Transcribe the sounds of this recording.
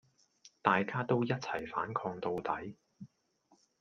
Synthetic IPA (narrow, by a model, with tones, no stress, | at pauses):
t̪aː˨jkaː˥t̪o˥wjɐ˥t̚t͡sʰɐ˨˩jfa̰ː˨˥nkʰɔː˧ŋt̪o˧wt̪ɐ˨˥j